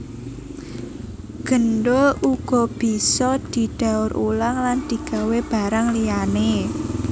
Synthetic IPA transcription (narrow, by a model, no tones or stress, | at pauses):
ɡ̥ə̤nɖouɡ̥ɔb̥i̤sɔd̪̥i̤d̪̥a̤ʊɾʔulaŋland̪̥i̤ɡ̥a̤web̥aɾaŋlijane